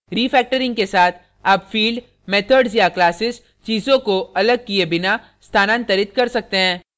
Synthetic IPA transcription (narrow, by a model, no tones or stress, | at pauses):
ɾiːfɛːk̚ʈəɾɪ̃ŋɡkesaːt̪ʰ | aːpfiːlɖ | meːt̪ʰəɖsjaklaːsɪs | t͡ʃiːzõkoɐləɡ̚kiebɪna | st̪ʰaːnãːnt̪ɐɾɪt̪̚kɐɾsɐk̚t̪eɦɛ̃ː